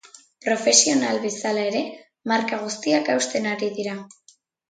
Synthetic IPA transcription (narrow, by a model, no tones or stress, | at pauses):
pɾo̞fe̞sio̞nalβe̞salae̞ɾe̞ | maɾkaɣ̞ust̪iakawst̪e̞naɾiðiɾa